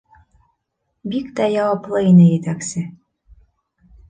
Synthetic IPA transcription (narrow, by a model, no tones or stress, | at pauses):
bikd̪æjɑwɑplˠɤinɘ̆jet̪æksɘ̆